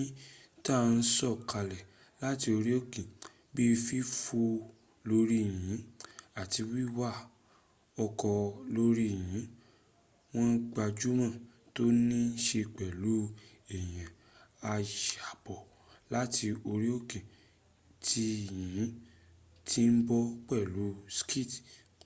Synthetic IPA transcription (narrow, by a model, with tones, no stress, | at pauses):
ĩ˦ta˦˨˧n̩˦sɔ˦˨ka˧lɛ˨ | la˦ti˧o˧ɾi˦o˦kĩ˨ | bi˦˧fi˦fu˧ | lo˦ɾi˦˨j̃ĩ˨˦a˨ti˧wi˦wa˦ | ɔ˧kɔ˧lo˦ɾi˦˨jĩ˨˦ | w̃ɔ̃˦n̩˦ɡ͡ba˧d͡ʒu˦mã˦˨ | to˦nĩ˦n̩˦ʃe˧k͡pɛ˨lu˨˦ɛ˨j̃ã˨ | a˧ʃa˨bɔ˨ | la˦ti˧o˧ɾi˦o˦kĩ˨ | tʰi˧jĩ˨˦ | ti˦n̩˦bɔ˦k͡pɛ˦˨lu˨˦ski˦˨t